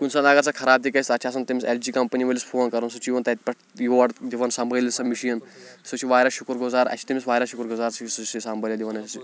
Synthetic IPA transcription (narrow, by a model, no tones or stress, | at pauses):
kunsɐnaɡɐɾt͡sakʰɐɾaːb̚t̪̬ikɐst̪ɐt͡ʃʰaːs̬ɐnt̪ɐmiseld͡ʒiːkɐmpəniʋəlʲispʰoːnkɐɾɐnsut͡ʃiʋɐnt̪ɐt̪̚pʲɐʈʰjoʋɐʈd̪iʋɐnsɐmbʱəlʲisɐmiʃijɐnsut͡ʃʰiʋaːɾʲaʃukɾɡuzaːɾɐ̰t͡ʃʰi̥t̪ɐmisʋaːɾʲaʃukɾɡuzaːɾsissisambʱɐlʲjɐd̪iʋɐnɐsɐt͡ʃi